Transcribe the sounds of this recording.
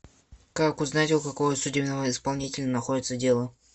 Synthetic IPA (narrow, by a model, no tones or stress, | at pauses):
kakʊznatʲʊkɐkovəsʊdʲebnəvəɪspɐlˠnʲitʲɪlʲənɐxodʲɪt̪sədʲe̞lˠə